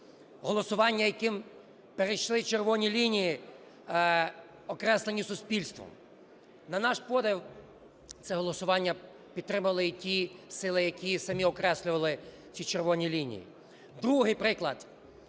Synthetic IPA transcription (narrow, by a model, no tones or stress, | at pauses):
ɦɔlˠɔsʊʋɑnʲːɐjɐkɪm | peɾejʃlˠɪt͡ʃerʋɔnʲilʲinʲiji | ɔkɾɛslˠenʲisʊspʲilʲst̪ʋɔ̰m | nɐnɑʃpɔd̪ew | t̪sɛɦɔlˠɔsʊʋɑnʲːɐ | pʲid̪t̪ːɾɪmʊʋɐlˠɪtʲisɪlˠɪjɐkʲisɐmʲiɔkɾɛsʲlʲʊʋɐlˠɪ | t͡sʲit͡ʃerʋɔnʲilʲinʲḭjḭ | d̪ɾuɦɪjpɾɪklˠɐd̪